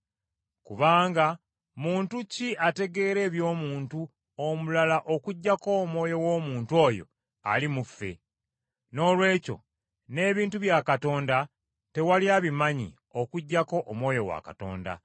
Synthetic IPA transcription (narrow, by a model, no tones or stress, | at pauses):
kuβaːŋɡa | muːntuciʔate̞ɡe̞ːɾe̞ːβjo̞ːmuːntu | omulalaʔo̞kuɟːako̞ːmwo̞ːjo̞wo̞ːmuːntuo̞ːjo̞̰ | a̰limufːe̞̰ | no̞ːlwe̞ːco̞̰ | ne̞ːβiːntuβjaːkato̞ːnda | te̞waliaβimaɲḭ | o̞kuɟːako̞ʔːmwo̞ːjo̞wa̰ka̰to̞̰ːnda̰